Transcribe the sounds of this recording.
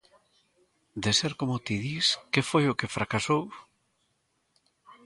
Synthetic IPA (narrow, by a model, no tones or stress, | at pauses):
d̪ɪseɾkomʊt̪iðiskefojʊkɪfɾakasow